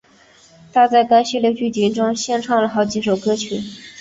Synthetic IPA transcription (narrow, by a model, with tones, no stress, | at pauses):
t̪ʰa˥t͡sa˥˩ɪka˥ɪɕi˥ljo˧ʊt͡ɕy˥˩t͡ɕi˧˥ŋʈ͡ʂʊ˥ŋɕjɛ˥nʈ͡ʂʰɑ˥˩ŋlə˩xɑ˧˥ʊt͡ɕi˧˥ʂo˨˩ʊkɤ˥t͡ɕʰy˥˩